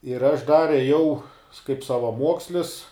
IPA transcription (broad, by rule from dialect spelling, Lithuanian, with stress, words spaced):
ɪr ɐʃ ˈdɐr eːˈjɛʊ kɐɪp sɐʋɐˈmuɔksʲlʲɪs